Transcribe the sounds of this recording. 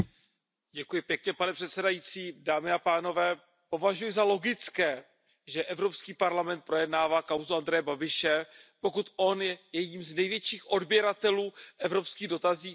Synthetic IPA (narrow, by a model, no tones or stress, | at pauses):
ɟɛkujɪpjɛkɲɛpanɛpr̝̥ɛt̪sɛdajit͡siːdaːmɪapaːno̞vɛː | po̞vaʒujɪzalo̞ɡɪt͡skɛː | ʒɛʔɛvɾo̞pskiːpaɾlamɛnt̪̚pɾo̞jɛdnaːvaːkawzuand̪ɾɛjɛbabɪʃɛpo̞kut̪ʔo̞njɛjɛiːmznɛjvjɛt͡ʃiːxʔo̞dbjɛɾat̪ɛluːʔɛvɾo̞pskiːɣdo̞t̪aziː